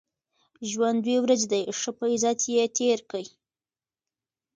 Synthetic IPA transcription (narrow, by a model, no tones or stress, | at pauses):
ʒwand̪wewɾazed̪ajʂəpəizɑt̪jet̪eɾkəj